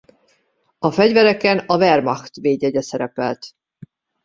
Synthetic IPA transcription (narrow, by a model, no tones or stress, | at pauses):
ɒfɛɟvɛɾɛkɛnɒvɛrmɒxt̪veːɟɛɟɛsɛɾɛpɛlt̪